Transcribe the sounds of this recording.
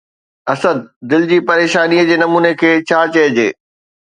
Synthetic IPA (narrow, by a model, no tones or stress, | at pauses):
ɐsəd̪̚ːɪld͡ʑiːpɐɾeːʃaːniəd͡ʑeːnɐmuːnekʰeːt͡ɕʰaːt͡ɕɐɦd͡ʑḛː